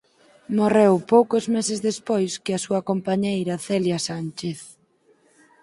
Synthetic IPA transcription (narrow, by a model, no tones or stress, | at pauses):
morewpowkozmesezðespojskɪasuɐkompaɲejɾɐθɛljasant͡ʃeθ